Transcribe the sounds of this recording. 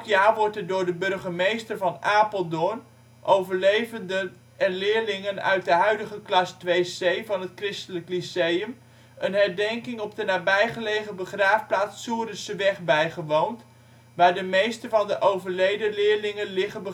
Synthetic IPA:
kjaːʋɔɹtɛɹdʊːɹdəbɵɹχəmejstəɹvɑnʔaːpəlˠdʊn | ʔowvəɹlejvəndə | ɛnlɪːɹlɪŋənœ̰ɥt̚dəɦœɥdəχəklɑstʋejsejvɑnətkrɪstələklisejəm | ənɦɛɹdɛŋkɪŋɔp̚dənaːbɛjχəlejχəbəχraːfplaːt͡ssːuərəsəʋɛχbɛjχəʋownt | ʋaːɹdəmejstəvɑndəʔowvəɹlejdəlɪːɹlɪŋənlɪχəbə

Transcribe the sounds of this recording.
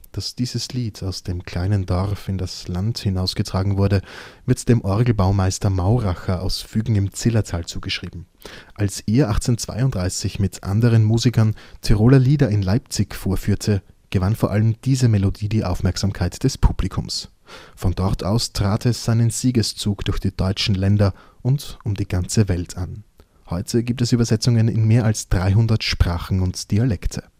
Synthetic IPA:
d̥asd̥iːzəsliːtʰaʊsd̥eːmkʰl̥aɪnəndɔʁfɪndaslanthɪnaʊsɡ̥ətʁ̥aːɡŋ̩vʊɐdəvɪɐtd̥eːmʔɔɐɡl̩baʊmaɪstɐmaʊʁaxɐʔa̰ʊsfyːɡŋ̩ɪmt͡sɪlɐtʰaːlt͡suːɡəʃʁ̥iːbm̩ | ʔalsʔeːɐʔaχt͡sent͡sv̥a̰ɪʊndʁaɪsɪçmɪtʔa̰ndəʁ̞ənmuːzikɐntʰɛʁoːlɐliːdɐɪnlaɪp̚t͡sɪçfoːɐfyːɐtʰə | ɡ̥əvanfoɐʔaləmd̥iːzəmelodiːdiːʔa̰ʊfmɛɐkz̥aːmkʰaɪtd̥ɛspʰub̥likʰʊms | fɔndɔɐtʰa̰ʊstʁ̥aːtʰɛsz̥aɪnənz̥iːɡəst͡suːkd̥ʊɐçd̥iːd̥ɔʏt͡ʃn̩lɛndɐ | ʔʊntʔʊmdiːɡant͡səvɛltʰan | hɔʏtʰəɡiːp̚tɛsʔyːbɐzɛt͡sʊŋənɪ̰nmeːɐalsd̥ʁaɪɦʊndɐtʃpʁ̥aːχn̩ʊntd̥ialɛktʰə̥

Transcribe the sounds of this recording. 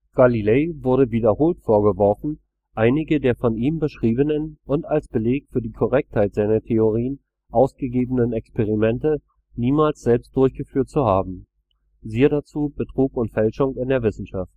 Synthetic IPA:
ɡ̥alileːvʊɐɾəviːdɐhoːltfoːɐɡəvɔɐfn̩ | ʔaɪnɪɡədeːɐfɔniːmbəʃʁ̥iːbənənʔʊntalsb̥əleːkfyːɐdiːkʰɔʁ̞ɛk̚thaɪtz̥aɪnɐtʰeoʁ̞iːən | ʔaʊsɡ̥əɡeːbənənɛkspʰeʁ̞imɛntə | niːmaːlsz̥ɛlpst̚d̥ʊɐçɡ̥əfyːɐtt͡suhaːbm̩ | ziːəɾat͡suːbətʁ̥uːkʊntfɛlʃʊŋɪndeːɐvɪsn̩ʃaft

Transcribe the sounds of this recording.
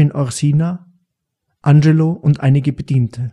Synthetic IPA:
ɪnʔɔʁsiːna | ʔand͡ʒeloʔʊntʔaɪnɪɡəbədiːntʰə

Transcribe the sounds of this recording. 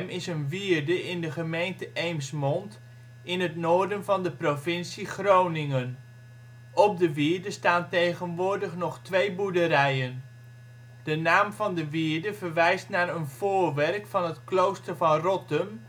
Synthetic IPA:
mɪsənviːɹdəʔɪndəχəmejntəʔejmsmɔnt | ɪnɦətnoːɹdənvɑndəprovɪnsiχrownɪŋən | ɔp̚dəʋiːɹdəstaːntejχənʋʊːɹdəχnɔχtʋejbuɹdəɾɛjən | d̥ənaːmvɑndəʋiːɹdəvərʋɛjstnaːɾənv̥oːɹʋɛrkfɑnɦətklowstəɹvɑnrɔtəm

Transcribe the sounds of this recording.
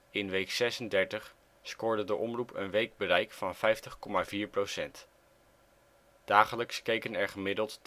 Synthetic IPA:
ɪnʋejksɛsəndɛɹtəχ | skʊːɹdədəʔɔmrupə̰nʋejɡ̚bəɾɛjkfɑnv̥ɛjftəχkɔmaviːɹprowsɛnt | d̥aːχələkskejkənɛɹχəmɪdəlˠt

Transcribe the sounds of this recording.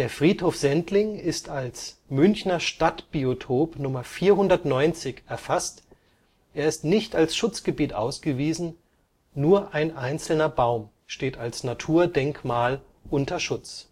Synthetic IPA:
d̥eːɐfʁ̥iːthoːfz̥ɛntlɪŋɪstalsmʏnçnɐʃtatb̥iotʰoːpnʊmɐfiːɐɦʊndɐtnɔʏnt͡sɪçɛɐfast | ʔeːɐɪstnɪçtalsʃʊt͡sɡ̥əbiːtʔa̰ʊsɡ̥əviːzn̩ | nuːɐʔaɪnʔaɪnt͡sl̩nɐbaʊm | ʃteːtalsnatʰuːɐdɛŋkmaːl | ʔʊntɐʃʊt͡s

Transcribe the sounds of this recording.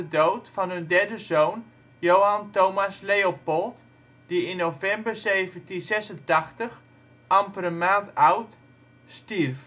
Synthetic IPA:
ədowtfɑnɦɵndɛɹdəzown | jowɦantowmasleopɔlˠt | d̥iɪnːowvɛmbərzeːvəntinzɛsəntɑχtəx | ʔamprəmaːntawt | stirf

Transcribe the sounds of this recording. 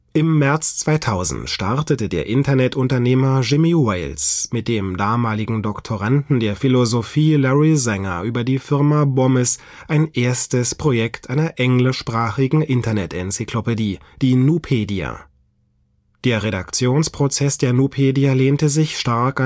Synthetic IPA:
ʔɪmːɛɐt͡st͡sv̥aɪtʰaʊzn̩tʃtaɐtətədḛːɐʔɪntɐnɛtʔʊntɐneːmɐʒɪmiwɛɪlsmɪt̚d̥eːmdaːmaːlɪɡŋ̩dɔktʰoʁandn̩deːɐfilozofiːlɔʁizɛŋɐ̰ʔyːbɐdiːfɪɐmabɔməs | ʔaɪnʔeːɐstəspʁ̥ojɛktʰʔaɪnɐʔɛŋlɪʃpʁ̥aːχɪɡŋ̩ʔɪntɐnɛtɛnt͡sikʰlopediːd̥iːnupʰeːdia̰ | d̥eːɐʁeda̰kt͡sjoːnspʁ̥ot͡sɛsd̥eːɐnuːpʰeːdialeːntəzɪçʃtaɐka

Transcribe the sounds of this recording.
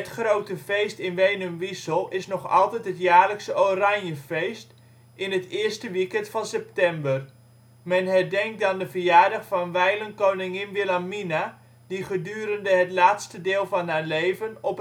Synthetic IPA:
ətχrowtəvejstɪnʋejnəmʋisəlˠɪsnɔχɑ̰lˠtɛtɦətjaːɹləksəʔorɑnjəvejst | ɪnɦətɪːɹstəʋikɛntfɑnsɛp̚tɛmbər | mɛnɦɛɹdɛŋk̚daːndəvəɹjaːɹdɑχfɑnʋɛjlənkownɪŋɪnʋɪlamina | diχədyːɾəndəɦətlaːtstədɪːlˠvɑnɦaːɹlejvənɔp

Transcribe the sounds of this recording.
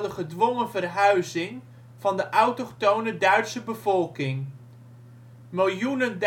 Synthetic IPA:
dəχədʋɔŋəvərɦœɥzɪŋ | v̥ɑndəʔɑwtotownədœɥtsəbəvɔlˠkɪŋ | mɪlˠjunənd

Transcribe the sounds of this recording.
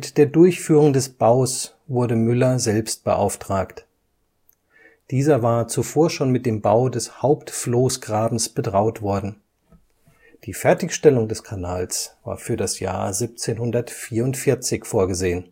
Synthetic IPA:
mɪtd̥eːɐdʊɐçfyːʁ̞ʊŋdɛsb̥aʊs | vʊɐdəmʏlɐzɛlpst̚b̥ə̰ʔa̰ʊftʁ̥aːkt | d̥iːzɐvaːɐt͡sufoːɐʃoːnmɪt̚d̥eːmbaʊdɛshaʊptfloːsɡ̥ʁaːbm̩sb̥ədʁaʊtv̥ɔɐdn̩ | d̥iːfɛɐtɪçʃtɛlʊŋdɛskʰanaːlsv̥a̰ːɐfyːɐɾasja̰ːɐzip̚t͡seːnhʊndɐtfiːɐʊntfɪɐt͡sɪçfoːɐɡəzeːən

